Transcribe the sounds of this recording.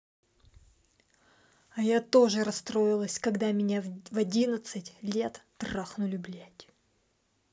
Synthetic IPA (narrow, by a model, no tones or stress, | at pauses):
ɐjat̪o̞ʐɨɾɐst̪ɾoɪlˠəsʲkɐɡd̪amʲɪnʲavɐdʲinət̪sɨtʲlʲe̞t̪t̪raxnʊlʲʊblʲætʲ